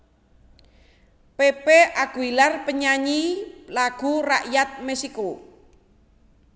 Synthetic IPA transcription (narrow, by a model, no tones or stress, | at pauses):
pepeʔaɡ̥uilarpəɲaɲilaɡ̥ṳra̰ʔjat̪̚mɛsiko